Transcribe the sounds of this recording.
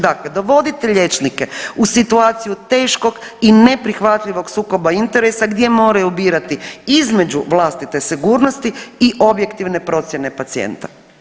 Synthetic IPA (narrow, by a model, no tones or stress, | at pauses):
d̪akled̪o̞ʋo̞d̪it̪eʎe̞t͡ʃnike̞usit̪uaːt̪sijut̪e̞ːʃko̞ɡ | ine̞pɾixʋat̪ʎiʋo̞ɡsuːko̞baint̪e̞ɾesaɡd̪je̞mo̞ːɾajubiːɾat̪iizme̞d͡ʑuʋlˠast̪it̪e̞siɡuːɾno̞st̪iiʔo̞bje̞kt̪iʋne̞pɾo̞t̪sʲjene̞pat̪siḛnt̪a